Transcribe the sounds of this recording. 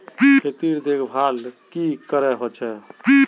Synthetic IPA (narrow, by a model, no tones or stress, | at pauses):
biet̪iɾd̪ekʰbʱalkikəɾɛɦot͡ʃʰɛi